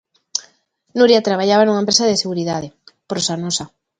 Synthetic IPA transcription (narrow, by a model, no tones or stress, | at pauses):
nuɾjat̪ɾaβ̞ajaβanuŋaempɾesaðeseɣuɾiðaðepɾosanosa